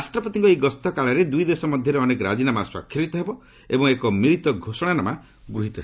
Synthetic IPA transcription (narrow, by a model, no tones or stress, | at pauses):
asʈɾɔpɔt̪iŋkɔejɡɔst̪ɔkaɭɔɾed̪ujd̪esɔmɔd̪ʱjɔɾeɔnekɔɾad͡ʒinamaswa̰kʰːiɾit̪ɔɦebɔ | ebɔŋekɔmiɾit̪ɔɡʱosɔɽ̃anama | ɡɾuɦit̪ɔɦe